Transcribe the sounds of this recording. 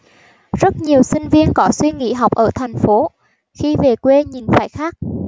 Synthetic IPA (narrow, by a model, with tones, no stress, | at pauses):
zə˦˥t̚ɲi˨˩əwsï˧ŋ̟vi˧ənkɔ˨˦swi˧ŋḭ˧˥ɦa˨˩wk͡p̚ʔəː˧˩t̪ʰɛ˨˩jŋ̟fo˨˦ | xi˧ve˨˩kwe˧ɲi˨˩nfa̰ː˧˩jxaː˦˥k̚